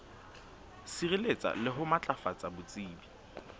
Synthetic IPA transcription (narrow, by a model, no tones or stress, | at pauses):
sirilet͡sʼa̰lɪɦʊmat͡ɬʼafat͡sʼabʊt͡sʼiːbi